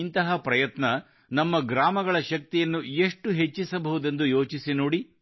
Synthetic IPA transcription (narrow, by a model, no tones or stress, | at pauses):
int̪ɐɦɐpɾɐjɐt̪nɐ | nɐmːɐɡɾaːmɐɡɐɭɐʃɐk̚t̪ijɐnːue̞ʂʈuɦe̞t͡ʃːisɐbɐɦud̪e̞nd̪ujo̞ːt͡ʃisinoːɽi